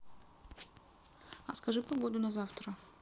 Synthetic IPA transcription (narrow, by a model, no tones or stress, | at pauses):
ɐskɐʐɨpɐɡod̪ʊnɐzaft̪ɾə